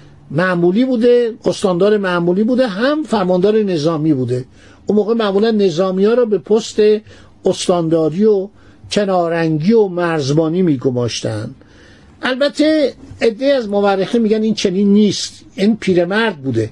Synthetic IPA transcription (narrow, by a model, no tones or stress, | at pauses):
mæʔmuːliːbuːd̪eost̪ɒnd̪ɒːɾemæʔmuliːbuːd̪eɦæmfæɾmɒnd̪ɒːɾene̞zɒːmiːbuːd̪e̞ | unmoːɣemæmuːlænːe̞zɒːmijɒːɾɒːbe̞pʰost̪e̞ | ost̪ɒnd̪ɒːɾiːo | cʰe̞nɒːɾæŋɡiːomæɾzbɒːniːmiːɡo̞mɒːʃt̪æ̰nd̪ | ʔælbæt̪ʰːe̞ed̪ːe̞iæzmoværːeximiːɡæniːnt͡ʃʰe̞ninːiːst̪ | inpʰiːɾe̞mæɾd̪̚buːd̪e̞